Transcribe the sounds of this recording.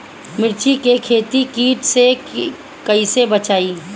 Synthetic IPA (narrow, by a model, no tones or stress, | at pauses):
mɪɾt͡ʃʰikekʰeːt̪ikiːʈse | kəisebət͡ʃaːi